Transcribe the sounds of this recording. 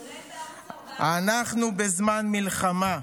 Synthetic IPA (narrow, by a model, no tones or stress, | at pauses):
anaχnubezmanmilχama